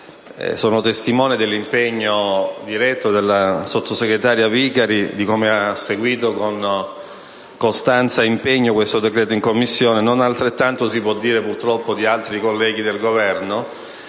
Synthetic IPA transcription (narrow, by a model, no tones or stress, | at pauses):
soːnot̪est̪imɔːnid̪elːimpeɲːod̪iɾɛt̪ːod̪elːasot̪ʰːoseɡɾet̪aːɾjavikaɾid̪ikomeasːeɡwiːt̪okon | kost̪ant̪saimpeɲːokwest̪od̪ekɾɛːt̪̬oiŋkomːisːjoːnenonalt̪ɾet̪ːant̪osipwɔd̪ːiːɾepurt̪ɾɔpːod̪ialt̪ɾikolːɛːɡ̟id̪elɡovɛrno